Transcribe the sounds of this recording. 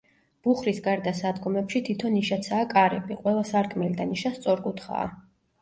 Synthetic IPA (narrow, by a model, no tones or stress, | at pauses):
b̥uχɾisɡaɾd̪asad̪ɡɔmɛpʃit̪ʰit̪ʰɔniʃat̪sʰaːkʼaɾɛbiqʼwɛlˠasaɾtkʰʼmɛlid̪aniʃast̪sʼɔɾkʼut̪ʰχa̰ː